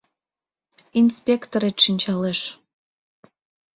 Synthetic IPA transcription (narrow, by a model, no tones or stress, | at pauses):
inspʲekt̪oɾet̪ʃinʲt͡ɕɑleʃ